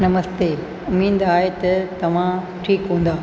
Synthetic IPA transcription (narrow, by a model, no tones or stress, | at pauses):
nɐməst̪eː | ʊmĩːn̆d̪aːɦet̪ɐt̪ɐʋ̤ã | ʈʰiːkɦũːn̆d̪aː